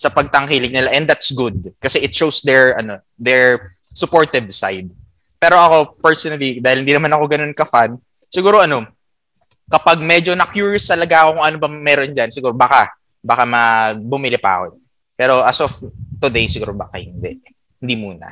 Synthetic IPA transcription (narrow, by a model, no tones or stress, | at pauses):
sɐpɐɡ̚t̪ɐŋkiːlɪɡ̚nɪlaʔɛnd̪at̪sɡʊd̪̚kɐsɛʔɪt̪̚ʃowsd̪ɛɹɐno̞ | d̪ɛɹ | sʊpo̞ɹt̪ɛvsa̰jd̪̚ | pɛːɾo̞ʔɐko̞pɛɹsonɐlid̪aːhɪlhɪnd̪iːnɐmanɐko̞ɡɐno̞nkɐfan | sɪɡuːɾo̞ʔɐno̞ | kɐpaɡ̚mɛd͡ʒo̞nɐkjuːɹjst̪ɐlɐɡaʔɐko̞kʊŋʔɐnobɐmɛɾond͡ʒansɪɡuːɾobaːkɐ | baːkɐmɐbʊmɪlɪpa̰ɐ̰ko | pɛːɾo̞ʔasɔft̪ʊd̪ejsɪɡuːɾoba̰kɐhɪnd̪ɛ̰ʔ | hɪnd̪imuːnɐ̰